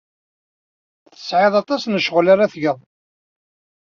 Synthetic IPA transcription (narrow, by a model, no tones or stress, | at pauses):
θə̥sʕeðˤɑt̪ˤɑsnəʃəʁlaɾaθʝəðˤ